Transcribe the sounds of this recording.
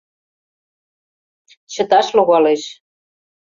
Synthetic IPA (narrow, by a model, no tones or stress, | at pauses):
t͡ɕə̆t̪ɑʃluɣɑleʃ